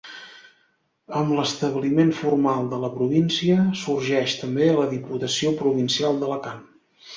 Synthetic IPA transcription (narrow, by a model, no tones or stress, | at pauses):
əmləst̪əβlimeɱfurmalˠd̪ələpɾuβinsiəsurʒɛʃt̪əmbeələðiput̪əsiopɾuβinsialˠd̪ələkan